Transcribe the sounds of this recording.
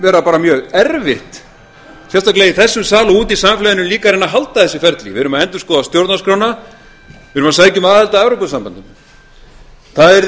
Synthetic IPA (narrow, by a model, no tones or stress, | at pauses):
vɛːɾapaːɾamjœːɣɛɾvɪht̪ | sjɛst̪aklejiθɛsːʏmsaːlʏuːt̪isaːmaflɛjɪnʏmliːkaɾeːnːaɦalt̪aðθɛsɪfɛɾt̪lḭvɪðɾʏmaðɛnt̪ʏ̥skɔːðast̪jowɾt̪naskɾowna | vɪɾʏmasaːjcʏmaːðɛlt̪aɛvɾowpʏsampant̪ɪm | θaðɛɾ